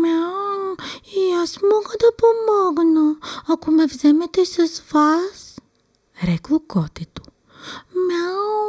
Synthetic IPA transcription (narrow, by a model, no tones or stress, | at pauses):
mɛ | iasmɔɡˠəd̪ɐpomɔɡnəakomɛvzɛmɛt̪ɛsɐzvas | ɾɛklˠokɔt̪it̪o̥ | mɛl